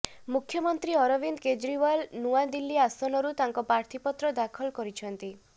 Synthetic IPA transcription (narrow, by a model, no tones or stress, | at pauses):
mukʰjɔmɔnt̪ɾiɔɾɔbind̪ked͡ʒɾiwalnuad̪ilːiasɔnɔɾut̪aŋkɔpɾaɾt̪ʰipɔt̪ɾɔd̪akʰɔlkɔɾit͡ʃʰɔnt̪i